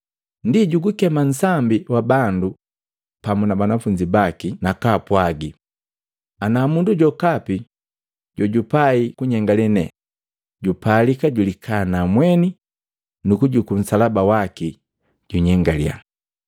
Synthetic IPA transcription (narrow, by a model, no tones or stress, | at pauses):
ndiɟuɡukɛman̩sambiwabandu | pamunabanafuɲd͡ʒibakinakapwaɡi | anamunduɟɔkapi | ɟɔɟupaikuɲɛŋɡalɛnɛ | ɟupalikaɟulikʰaːnamwɛni | nukuɟukum̩salabawaki | ɟ̥uɲɛŋɡalja̰